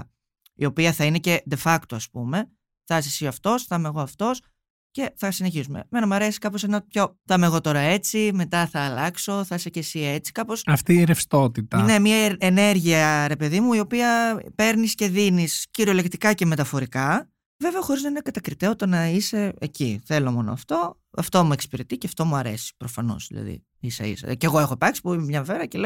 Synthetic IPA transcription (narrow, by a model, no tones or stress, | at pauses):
ḭo̞piɐθɐine̞ce̞d̪e̞fɐkt̪oɐspume̞ | θɐsisiɐft̪o̞sθɐmeɣo̞ɐft̪o̞s | ce̞θɐsineçisumḛmenɐmɐɾe̞si̥kɐpo̞senɐpço̞θɐme̞ɣo̞t̪o̞ɾɐe̞t͡sime̞t̪ɐθɐːlɐkso̞θɐsece̞sie̞t͡si̥kɐpo̞sɐft̪iːɾefst̪o̞t̪it̪ɐnemiɐene̞ɾʝiɐɾe̞pe̞ðimuio̞piɐpe̞ɾnisce̞ðinisciɾiole̞kt̪ikɐce̞me̞t̪ɐfo̞ɾikɐ | ve̞veɐxoɾiznɐinekɐt̪ɐkɾit̪eot̪onɐise̞eciθe̞lo̞mo̞no̰ɐft̪o̞ | ɐ̰ft̪o̞mue̞kspiɾet̪iceɐft̪o̞muɐɾesi̥pɾo̞fɐno̞̰zðḭlɐ̰ðḭ | isɐ̰ḭsḛceɣo̞e̞xopɾɐksi̥puimemɲɐveɾɐcele